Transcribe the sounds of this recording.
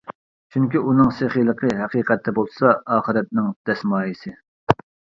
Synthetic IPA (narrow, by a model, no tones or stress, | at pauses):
t͡ʃʰyŋkʲiunɨŋseχilˠəqʰəɦɛqiːqɛt̪ʰːɛbolˠsɑɑːχɨɾɛt̪̚nɪŋd̪̥ɛsmɑːjisɨ